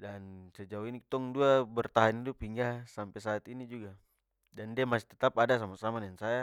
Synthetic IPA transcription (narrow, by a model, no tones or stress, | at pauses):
dansɛd͡ʒauinit̪ɔŋduabərt̪aɦanit̪upiŋɡahsampɛsaːt̪inid͡ʒuɡa | dandiamasi̥t̪ɛt̪apadas̬amasamanansaja